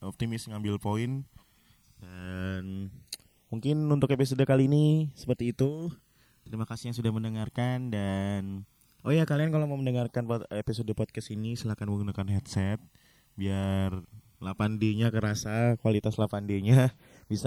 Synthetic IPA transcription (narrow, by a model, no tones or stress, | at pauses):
ɔp̚t̪imɪsŋambɪlpoɪn | dan | muŋkɪnunt̪ʊkepis̬odakaliːnisə̥pərt̪iːt̪u | t̪əɾimakasɪhjaŋsudahməndəŋarkandan | ojakaliankalomaməndəŋarkanpepisodopot̪̚kasinisəlakanməɡunakanhɛt̪̚sɛt̪̚ | biar | lapandeɲakəɾasakuwalit̪aslapandeɲa | bisa